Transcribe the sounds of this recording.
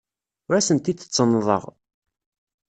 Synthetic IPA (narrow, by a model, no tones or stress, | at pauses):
ʊɾæsənt̪it̪ːə̥t͡sːənːðˤə̰ʁ